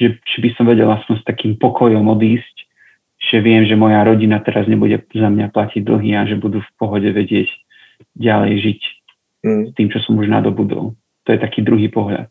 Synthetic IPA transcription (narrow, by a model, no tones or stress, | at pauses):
ʒɛt͡ʃɔbisɔmʋɛɟɛlaspɔɲst̪akiːmpɔkʰɔjɔmɔd̪iːsc | ʒ̥ɛʋɪɛmʒɛmɔjaɾɔɟinat̪ɛɾazɲɛbuɟɛzamɲaplaciɟ̚d̪l̩ɦiːaʒɛbud̪ufpɔɦɔɟɛʋɛɟɪɛc | ɟalɛ̰jʒic | st̪iːmt͡ʃɔsɔmuʒna̰d̪ɔbud̪ɔ̰lˠ | t̪ɔjɛt̪akiːd̪ɾuɦiːpɔɦʎa̰t̪̚